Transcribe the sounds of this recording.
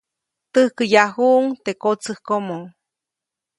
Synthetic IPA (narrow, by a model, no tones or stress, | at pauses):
t̪ɨhkɨjahuʔŋt̪ekot͡sɨhkomo